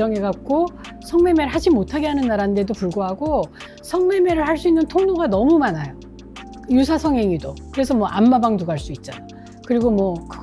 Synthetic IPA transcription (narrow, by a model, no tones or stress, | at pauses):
ʌŋeɡak̚k͈o | sʰʌŋme̞me̞ɾɯɭɦad͡ʑimotʰaɡe̞ɦanɯnːaɾande̞dopuɭɡoɦaɡo | sʰʌŋme̞me̞ɾɯɭhaɭs͈uinːɯntʰoŋnoɡanʌmumanajo | jusʰasʰʌŋɦeŋidokɯɾe̞sʰʌmwʌʔamːabaŋduɡaɦaɭs͈uit̚t͡ɕ͈a̰n | kɯɾiɡomwʌkɯ